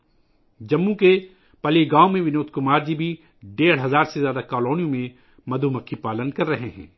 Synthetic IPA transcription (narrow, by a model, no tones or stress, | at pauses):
d͡ʒɐmːũke | pɐliɡaːomẽʋɪnoːt̪̚kʊmaːɾd͡ʒibʱi | ɖeːɽ̤ɦɐzaːɾsezjaːd̪akaːloːnijõmẽ | mɐd̪ʱumɐkʰːipaːlənkɐɾːɐɦeɦɛ̰̃ː